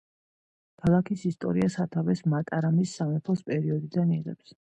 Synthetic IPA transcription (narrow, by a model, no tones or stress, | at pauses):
kʰalˠakʰisist̪ʼɔ̰ɾiasat̪ʰavɛsmat̪ʼaɾamisːamat̪ʰlˠɔspʼɛɾiɔd̪id̪aniʁɛ̰ps